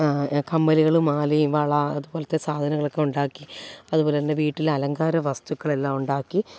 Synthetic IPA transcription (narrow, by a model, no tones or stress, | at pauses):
kʰɐmːɐliɣɐɭumaːliʋɐɭɐɐðubo̞ːlɐt̪ːesaːd̪ʱɐnɐɣɐɭokːeuɳɖaːkːiɐðubo̞ːlet̪ɐndeʋiːʈːilɐlɐŋɡaːɾɐʋɐst̪ukːɐɭe̞lːaːmuɳɖaːkːi